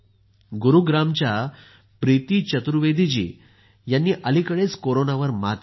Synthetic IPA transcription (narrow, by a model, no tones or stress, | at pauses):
ɡuɾuɡɾamt͡ɕja | pɾit̪iːt͡ɕət̪ɾuʋed̪ʱid͡ʑḭː | janːiːʔəlikəɭet͡skoɾonaʋəɾma̰t̪